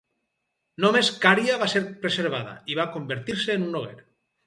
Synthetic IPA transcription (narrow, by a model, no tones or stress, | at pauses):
nomeskaɾjaβaseɾpɾeseɾβ̞aða̰iβakombeɾt̪iɾseːnunoɣ̞ḛɾ